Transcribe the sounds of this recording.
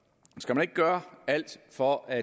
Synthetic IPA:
sɡ̥æmæne̝ɡ̥ə̥ɡ̥ɶːɐæl̰d̥fɒʔæ

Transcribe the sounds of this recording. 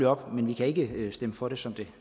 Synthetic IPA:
iɒ̽b̥menʋikʰæe̝ɡ̥əsd̥eməfɒ̽ɾe̝sɒ̽md̥e̝

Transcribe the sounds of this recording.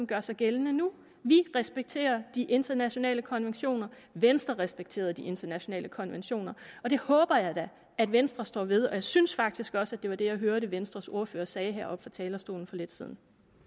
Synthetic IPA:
mɡ̥ɶɐsɑ̈ɪɡ̥elənənu | ʋiʁɛsb̥eɡ̥̚t͡sʰe̝̰ːɐd̥iʔe̝nd̥ɐnæɕo̝nɛ̰ːləkʰɒ̽nʋenɕo̝̰ːnɐ | ʋensd̥ʁɐʁɛsb̥eɡ̥̚t͡sʰe̝̰ːɐðˠd̥iʔe̝nd̥ɐnæɕo̝nɛ̰ːləkʰɒ̽nʋenɕo̝̰ːnɐɒ̽ɾ̥e̝hɔ̽ːb̥ɐjɑ̈ɪd̥æ | æd̥ʋensd̥ʁɐsd̥ɒ̰ːʋe̝ð̞ˠɒ̽jɑ̈ɪsynsfɑ̈ɡ̥̚d̥isɡ̥ɒ̽sæd̥e̝ʋɑ̈d̥e̝jɑ̈ɪɦøɐɾəʋensd̥ʁɐso̝ɐfø̰ːɐsɛːɪɦæɐʔɒ̽b̥fɒ̈t͡sʰɛːlɐsd̥o̝̰ːln̩fɒ̽le̝d̥siðˠn̩

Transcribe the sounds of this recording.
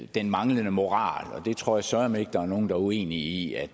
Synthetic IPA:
d̥enmɑ̈ŋlənəmo̝ʁɑ̰̈ːlɒ̽d̥e̝t͡sʰʁo̝ɐ̰jɑ̈sœɐɐme̝ɡ̥̚d̥ɑ̈æɐno̝ːn̩d̥ɑ̈ue̝̰ːniiæ̥

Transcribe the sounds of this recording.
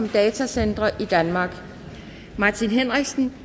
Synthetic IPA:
md̥ɛːt͡sʰæsend̥ʁɐʔid̥ænmɑ̈ːɡ̥ | mɑ̈ːt͡sʰinɦenʁɛɡ̥sn̩

